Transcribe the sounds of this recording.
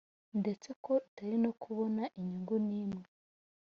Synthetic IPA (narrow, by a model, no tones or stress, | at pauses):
ndet͡se̞ko̞utaɾinokʰuβonaʔiɲuŋɡuniːmŋe